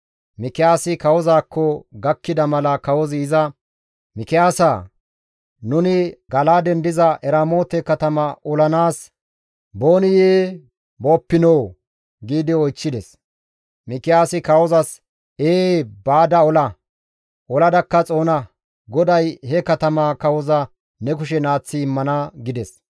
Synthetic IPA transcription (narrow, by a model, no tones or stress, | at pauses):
mɪkɪjaːsɪkɐwɔzaːkʰːɔɡɐkːɪd̪ɐmɐlɐkɐwɔzɪːzɐ | mɪkɪjaːsa | nʊnɪɡɐlaːd̪ɛnd̪ɪzɐʔɛɾamo̞ːt̪ɛkɐt̪ɐmɐʔɔlɐnaːs | bo̞ːnɪjeː | bo̞ːpːɪnoː | ɡiːd̪ɪɔjt͡ʃːɪd̪ɛs | mɪkɪjaːsɪkɐwɔzɐs | eːbaːd̪ɐɔlɐ | ʔɔlɐd̪ɐkːɐt͡sʼo̞ːnɐ | ɡɔd̪ɐjhɛkɐt̪ɐmakɐwɔzɐ | nɛk̬ʊʃɛnaːt͡sːɪːmːɐnɐɡɪd̪ɛs